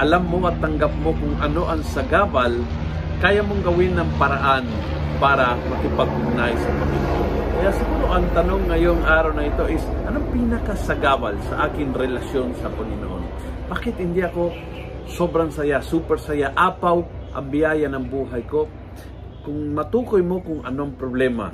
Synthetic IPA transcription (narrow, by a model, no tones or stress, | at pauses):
ʔɐlamːo̞ʔɐt̪ːɐŋɡap̚mo̞kʊŋʔɐno̞ʔɐŋsɐɡaːbɐl | kaːjamoŋɡɐwɪnɐŋpɐɾaʔan | paːɾɐmɐkɪpɐɡ̚hʊnajsɐpɐŋɪno̰ʔonnkɐjasɪɡuːɾo̞ʔɐŋt̪ɐno̞ŋːɐjo̞ŋʔaːɾawnɐɪt̪o̞ʔɪsʔɐnoŋpiːnɐkasɐɡabalsɐʔaːkɪŋɾɛlɐsjo̞nsɐpɐŋɪno̰ʔo̞̰n | baːkɪt̪hɪnd̪iʔɐko̞ | sobɾɐŋsɐjasuːpɛɾsɐjaʔaːpawʔɐ̰mbɪjaːjɐnɐŋbuːɦɐjko̞ | kʊŋmɐt̪uːkojmo̞kʊŋʔɐnoʔɐŋpɾoblɛmɐ̰